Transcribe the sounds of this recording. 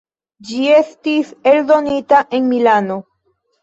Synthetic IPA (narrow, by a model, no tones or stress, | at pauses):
d͡ʒie̞stiseld̪o̞nitaʔe̞nmilano̞